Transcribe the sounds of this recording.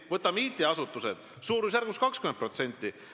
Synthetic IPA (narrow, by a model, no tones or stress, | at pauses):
vɤt̪ːˑɑmiːt̪ːˑeɑsut̪ːˑused̪̥ | suːɾus̬jærɡ̥uskɑkskymenpro̞t̪se̞nʲt̪ˑːi